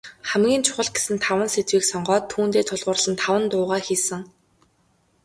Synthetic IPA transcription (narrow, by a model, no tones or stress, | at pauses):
χæmɡʲiːnt͡ɕʰʊ̥χə̆ɮɡe̥sɘ̆nt̪ʰawə̆nset̪wiːksɔɴɢɔːt̪ʰːuːnt̪eːt̪ʰʊɮʁʊːrɮə̆nt̪ʰawə̆nt̪ʊːʁaːxiːsə̆ŋ